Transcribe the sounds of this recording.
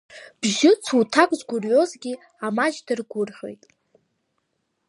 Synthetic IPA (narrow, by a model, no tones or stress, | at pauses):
b̥ʒɪt͡sʰutʰakʼzʷɡʷʊrjo̞zɡʲi | amaʒdɨrɡʷʊrħʷᶣo̞̰jtʼ